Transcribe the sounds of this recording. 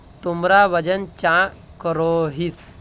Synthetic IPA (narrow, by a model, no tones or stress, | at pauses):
t̪umɾaʋəd͡ʑənt͡ɕã | kəɾoɦis